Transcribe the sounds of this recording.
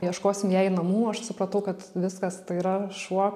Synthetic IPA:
jɛʃkoːsʲɪmjæɪnɐmuːɐʃsʊpɾɐt̪ɐʊkɐt̪ʋʲɪskɐst̪ɐɪiɾɐʃuɔ

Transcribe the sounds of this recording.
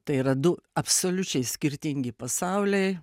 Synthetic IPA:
t̪ɐɪiːɾɐd̪ʊɐpsoːlʲʊt͡ʃʲɛɪsʲkʲɪɾʲt̪ʲɪŋʲɡʲɪpɐsɑʊlʲɛɪ

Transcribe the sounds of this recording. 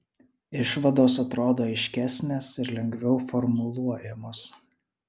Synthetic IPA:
ɪʃʋɐd̪oːsɐt̪ɾoːd̪oːɐɪʃʲkʲæsʲnʲeːsɪɾlʲɛŋʲɡʋʲɛʊfɔɾmʊlˠuɔjɛmoːs

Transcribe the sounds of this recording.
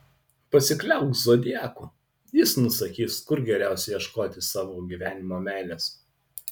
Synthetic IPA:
pɐsʲɪklʲɛˑʊkzoːd̪ʲɪæːkuː | jɪsnʊsɐkʲiːskʊɾɡʲɛɾʲæˑʊsʲɛjɛʃkoːt̪ʲɪsɑːʋoːɡʲiːʋʲæːnʲɪmoːmʲæˑɪlʲɛs

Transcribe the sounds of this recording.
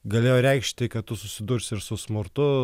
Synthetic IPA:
ɡɐlʲeːjoːɾʲɛɪkʃʲt̪ʲɪkɐtt̪ʊsʊsʲɪd̪uːɾʲsʲɪɾsʊsmʊɾt̪ʊ

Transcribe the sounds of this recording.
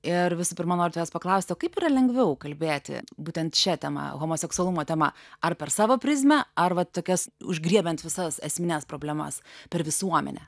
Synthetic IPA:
ɪɾʋʲɪsʊpʲɪɾmɐnoːɾʲt̪ʲjɛːspɐklˠɐʊsʲt̪ʲoːkɐɪpiːɾɐlʲɛŋɡʋʲɛʊkɐlʲbʲeːt̪ʲɪ̰buːt̪ʲɛnt̪ʃʲɛt̪ʲɛmɐ̰ɣoːmoːsʲɛksʊɔlˠumoːt̪ʲɛmɐ̰ɐrpʲɛɾsɑːʋoːpʲɾʲɪzʲmʲɛɐrʋɐttːoːkʲɛsʊʒʲɡɾʲiɛbʲɛnt̪ʋʲɪsɐsɛsʲmʲɪnʲæːspɾoːbʲlʲɛmɐ̰spʲɛɾʋʲɪsuɔmʲɛ̰nʲɛ̰

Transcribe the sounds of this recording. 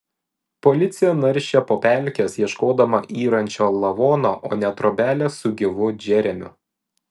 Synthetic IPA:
pɔlʲɪt̪sʲɪjɛːnɐɾʲʃʲɛpoːpʲælʲkʲesjiɛʃkoːd̪ɐmɐʔiːɾɐnʲt͡ʃʲoːlˠɐʋoːnoʔoːnʲɛt̪ɾoːbʲæːlʲesʊɡʲɪʋʊd͡ʒʲɛɾʲɛmʲʊ̰

